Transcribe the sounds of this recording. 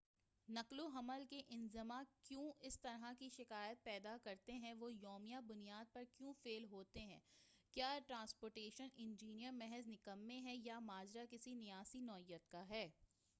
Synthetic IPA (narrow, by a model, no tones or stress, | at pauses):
nɐkloɦɐməlkeʔɪ̃nzɪmakjõːɪst̪ɐɾɦakiʃɪkaːjət̪̚pɛːd̪akɐɾt̪eɦɛ̃ʋojɔːmijabʊnijaːd̪̚pɐɾkjũːfeːlɦoːt̪eɦɛ̃ː | kjaːʈɾãːnspoːɾʈeːʃənɪ̃nd͡ʒiːnijəɾmɛɦɛznɪkəmːẽɦɛ̃jamaːd͡ʒɾakɪsinɪjaːsinɔːɪjːət̪kaɦɛː